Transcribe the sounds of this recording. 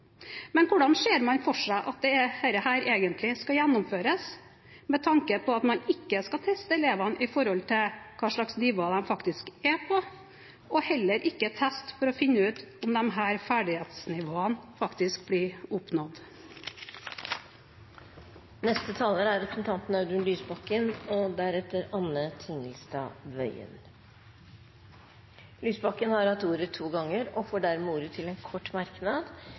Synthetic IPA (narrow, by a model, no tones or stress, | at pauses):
mɛnkʰʊɖɑnʂeːɾmɑnfɔʂæɪʔɑt̪̚d̪ɛɛheːɾəhæːɾʔeːɡənt̪ʰlɪskɑjænːʊmføːɾəs | mɛt̪ʰɑŋkəpʰɔɑt̪mɑnɪkːəskɑt̪ʰɛst̪əɛleːʋɑnʔɪfɔɾhɔlt̪ʰɪlkʰɑːʂɭɑksnɪʋoːɑd̪ɛnfɑkt̪ɪskɛpʰɔ | ɔhɛlːəɾʔɪkːət̪ʰæst̪fɔɾɔfɪnːəʉːt̪ʊmd̪ɛnɦæːɾfæːɖɪheːt̪snɪʋoːənfɑkt̪ɪsk̚bliːʊpnɔd̪ | nɛst̪ət̪ʰɑːləɾəæɾɛpʰɾəsn̩t̪ʰɑnt̪n̩ɑʉd̪ʉnlyːsbɑkːənɔd̪æɾɛt̪ːəɾɑnət̪ʰɪŋɪlst̪ɑ̰ʋœ̰ʏə̰n | lyːsbɑkːənhɑɾhɑt̪uːɾət̪ʰuːɡɑŋːəɾɔfoːɖæɾmɛuːɾət̪ʰɪlɛnkʰɔʈːmɑɾknɑd̪